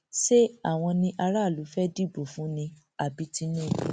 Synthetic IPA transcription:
ʃe˦a˦˨w̃ɔ̃˧nĩ˧ʔa˧ɾa˦˨lu˨˦fɛ˦di˦˨bo˨fũ˨˦nĩ˧ | a˨bi˧˦ti˧˦nĩ˦˨

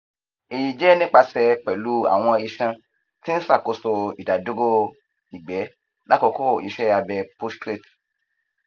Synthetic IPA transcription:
e˨ji˨d͡ʒɛ˨˦nĩ˦k͡pa˧sɛ˧k͡pɛ˨lu˨˦a̰˦˨w̃ɔ̃˧i˧ʃã˧ | tĩ˦n̩˦sa˦˨ko˨˦so˧ḭ˨da˨do˦ɡo˦ | i˨ɡ͡bɛ˨˦ | la˦kɔ˧ko˦˨ḭ˧ʃɛ˦a˧bɛ˧po˦stɾe˦˨t

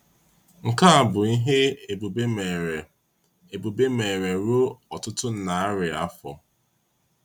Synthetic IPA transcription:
ŋ̩˨ka˦a˨bʊ˨i˦ɦe˦e˨bu˨be˦me˨e˨ | e˨bu˨be˦me˨ɾe˨ɾo˦ɔ˨tʊ˦tʊ˦n̩˨na˨a˦ɾɪ˨a˦fɔ̰˨

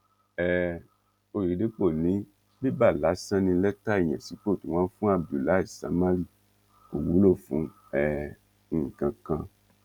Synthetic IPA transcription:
ɛ˨ | o˧ɾi˨˦de˨˦k͡po˦˨nĩ˨˦ | bi˦ba˦˨la˨˦sã˦nĩ˧lɛ˦ta˦i˦˨j̃ɛ̰̃˨si˨˦k͡po˦˨tũ˨w̃ã˦fũ˦a˦˨bu˨la˨˦i˦˨sa̰˨˦mã˦ɾi˦˨ | o˨wu˨˦lo˦˨fṵ̃˨˦ | ɛ̃˨˧˨ | kã˨˧kã˧

